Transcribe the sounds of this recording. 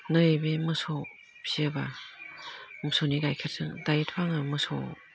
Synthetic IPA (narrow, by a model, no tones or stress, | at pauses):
nɯebemɯso | piɯba | mɯsoniɡajkʰattʰɯŋdajitʰwaŋɯmɯso̰